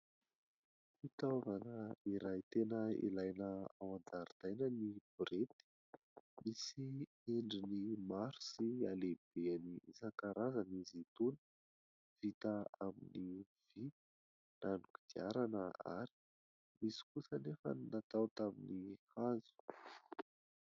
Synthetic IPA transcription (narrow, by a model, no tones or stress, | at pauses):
it̪avanəiɾajt̪enəḭlajnəawand̪aɾit̪ajnənib̥uɾet̪i̥ | misi | eɳɖ͡ʐinimaɾu̥sialeb̥eaniisakaɾazənizit̪unə̥ | v̥it̪əamini | v̥i | nanuki̥d̪iaɾanəa̰ɾi̥ | misi̥kusənefə̰nnat̪awt̪aminihazu̥